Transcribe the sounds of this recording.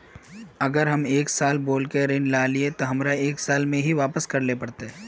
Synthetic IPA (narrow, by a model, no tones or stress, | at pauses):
ɐɡəɾɦɐmeːksaːlboːlkeɾeːnlaːliet̪oɦɐmɾaeːksaːlmẽɦiʋaːpəskɐɾlepɐɽt̪eɦː